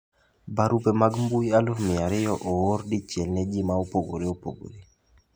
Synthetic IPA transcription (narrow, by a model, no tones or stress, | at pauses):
baɾupemaɡmbujalumɪaɾɪjɔʔowoɾdit͡ʃjɛlnɛd͡ʒimaopoɡo̰ɾiopo̰ɡo̰ɾi